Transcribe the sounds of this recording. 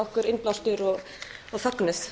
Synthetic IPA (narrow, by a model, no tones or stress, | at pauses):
ɔhkʏɾɪnplawst̪ʏɾɔɣ | ɔɣθaknɪs